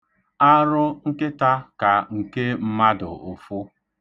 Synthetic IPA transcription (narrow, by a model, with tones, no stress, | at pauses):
a˦ɾʊ˦ŋ̩˦kɪ˦ta˦ka˨ŋ̩˨ke˦m̩˦ma˦dʊ̰˨o˨fʊ˦